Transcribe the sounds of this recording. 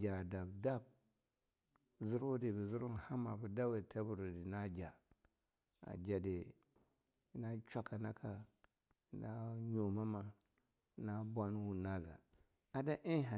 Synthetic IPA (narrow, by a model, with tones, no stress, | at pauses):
d͡ʒa˨da˨bda˦b̚ | zi˦ɾwo˦di˨bi˨zu˦ɾu˦n˨ha˦ma˨bu˨da˦we˨tʰa˦bu˨ɾu˨di˨na˦d͡ʒa˨ | a̰˨d͡ʒa˨de˨˦ | na˦t͡ʃʷa˦ka˨na˦kʰa˨ | na˦ɲo˨ma˦ma˨ | na˦bʷa˦n˦wu˨na˦za̰˨ | a˨da˦ʔi˦ɦa˨